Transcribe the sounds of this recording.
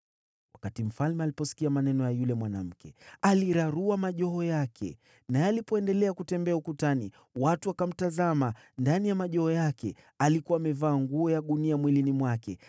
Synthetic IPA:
wakatim̩falmɛalipɔsi̥kiamanɛnɔjajulɛmwanam̩kɛaliɾaɾuamaʄɔɦɔjakʰɛ̰ | naɛalipɔɛndɛlɛakutɛmbɛaukutani | watuakam̩tazama | ndanijamaʄɔɔjakɛ | alikuaːmɛvaːŋɡuɔjaɠuniamwilinimwakɛ

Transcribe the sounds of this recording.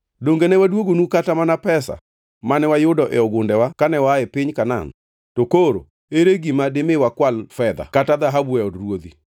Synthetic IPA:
doŋɡenɛwadwoɡonukatamanapɛsa̰ | manɛwajʊdɔʔɛɔɡʊndɛwakanɛwaɛpɪɲkana̰n | tokoɾo̰ | eɾeɡimadɪmɪwakwalfɛd̪a̰katad̪aɦabuɛɔdɾwod̪i

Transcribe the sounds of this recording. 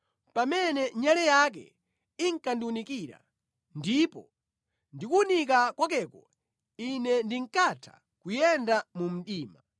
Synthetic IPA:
pamɛnɛɲalɛjak̬ɛ̰ | iŋkandiwunikiːɾa̰ | ndipɔ̰ | ndikuunik̬akwak̬ɛkɔ | inɛndiŋ̩katʰḁ̰ | kujɛndamum̩ɗiːma

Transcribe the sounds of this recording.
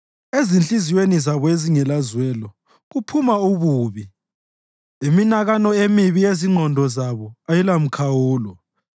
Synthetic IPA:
ezint͡ɬʼiziwenizaβɔeziŋɛlazwɛlɔ | ɣupʰumauβuːβi | iminaɣanɔemiβijeziŋ͡ǃʱɔndʱɔzaβɔajilam̩kʰawuːlɔ

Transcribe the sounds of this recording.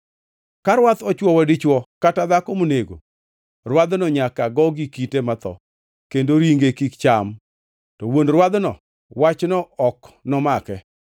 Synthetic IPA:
kaɾwat̪ɔt͡ʃwɔwɛdɪt͡ʃwɔkatad̪akomoneɡo̰ | rwad̪nɔɲakaɡɔɡikitemat̪ɔ̰ | kendoɾiŋɡekikt͡ʃam | tɔwondɾwad̪nɔ̰ | wat͡ʃnɔɔknɔmakɛ

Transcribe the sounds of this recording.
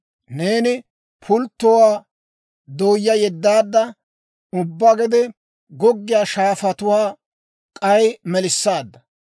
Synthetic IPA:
ne̞ːnɪ | pʰʊlt̪ːɔwaː | d̪oːjːɐjɛd̪ːaːd̪ːɐ | ʊbːaɡɛd̪ɛ | ɡɔɡːɪjaːʃaːfɐt̪ʊwaː | kʼɐjmɛlɪsːaːd̪ːɐ

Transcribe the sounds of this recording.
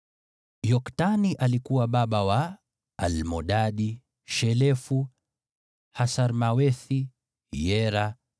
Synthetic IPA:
jɔktaniʔalikuwaɓaɓawaː | lmɔɗaɗi | ʃɛlɛfu | hasaɾmawɛθi | jɛɾa

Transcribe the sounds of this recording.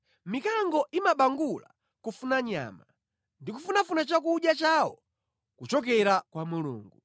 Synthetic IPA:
mikaŋɡɔʔimaɓaŋɡula̰ | kufunaɲa̰ːma | ndikufunafunat͡ʃakuɗjat͡ʃaːwɔ̰ | kut͡ʃɔk̬ɛɾakwamulṵːŋɡu

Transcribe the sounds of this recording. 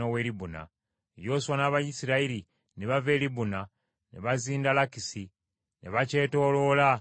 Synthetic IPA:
owe̞libuna̰ | ejo̞ːswanaβajisiɾaiɾi | neβave̞ːlibuna | nḛβaziːndalakisi | nḛβace̞ːto̞ːlo̞la

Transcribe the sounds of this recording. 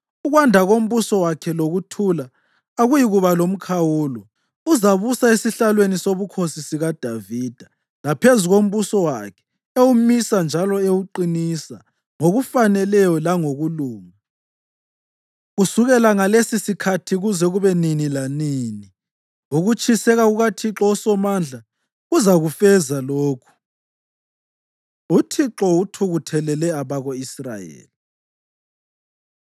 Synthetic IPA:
uɣwandʱaɣom̩βusɔwakʰɛloɣutʰulaː | ɣujiɣuβalom̩kʰawuːlɔ | uzaβusaesiɬalwenisoβukʰosisiɣad̥ʱaviːd̥ʱḁ | lapʰezuɣom̩βusɔwakʰɛ̥ | ewumisand͡ʒʱalɔeuǃinisa | ŋoɣufanɛlɛjɔlaŋoɣuluːŋa | ɣusuɣɛlaŋalesisikʰatʰiɣuzɛɣuβɛninilanini | uɣut͡ʃʼʰisɛɣaɣuɣatʰiǁɔɔsɔmand͡ɮʱa | ɣuzaɣufɛzaloːkʰu̥ | utʰiǁɔutʰuɣutʰɛlɛlɛaβaɣoisra̰jḛːli

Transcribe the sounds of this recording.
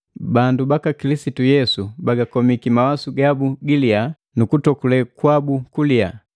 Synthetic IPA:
bandubakakilisitujɛsubaɡakɔmikimawasuɡabuɡilia | nukutɔkulɛkwabukulia̰

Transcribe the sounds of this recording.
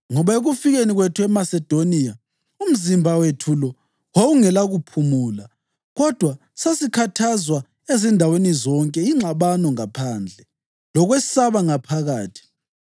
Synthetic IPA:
ŋɔβaeɣufiɣeniɣwetʰuɛmasɛd̥ʱonia | um̩zimbʱawetʰulɔ | wouŋɛlaɣupʰumuːla | ɣɔd̥ʱwa | sasikʰatʰazwa | ezindʱawenizɔŋkʼɛiŋ͡ǁaβanɔŋapʰand͡ɮʱɛ | lɔɣwesaβaŋapʰaɣaːtʰi̥

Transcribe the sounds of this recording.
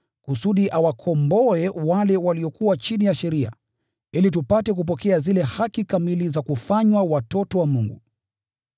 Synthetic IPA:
kusuɗiʔawakʰɔmbɔɛwalɛwaliɔkuwat͡ʃinijaʃɛɾia̰ | ilitupatɛk̬up̬ɔkɛazilɛhakikamilizakufaɲwawatɔtɔwamuŋɡṵ

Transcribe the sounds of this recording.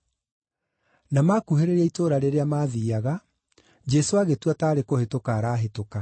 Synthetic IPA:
namakuɦeɾeɾaitoːɾaɾeɾeamaːðiːaɣa | d͡ʒɛsoaɣetwataːɾekohetokaːɾaːɦetoka

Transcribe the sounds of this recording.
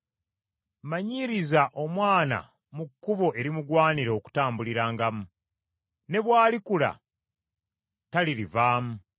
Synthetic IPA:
maɲiɾizaʔo̞mwaːna̰ | mukːuβo̞ʔe̞ɾimuɡwaːniɾooku̥taːmbuliɾaːŋɡamu | ne̞βwaːlikula̰ | taliɾivaːmu

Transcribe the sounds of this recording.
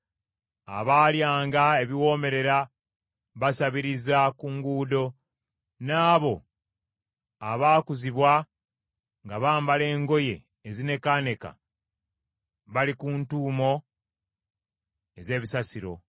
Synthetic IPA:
a̰βaːljaːŋɡae̞βiwo̞ːme̞ɾe̞ɾa | βasaβiɾizakuŋɡuːdo̞ | naːβo̞ | aβaːkuziβwa | ŋɡaβaːmbale̞ːŋɡo̞je̞̰ː | zine̞kane̞ka̰ | βalikuntuːmo̞ | e̞ze̞ːβisasiɾo̞

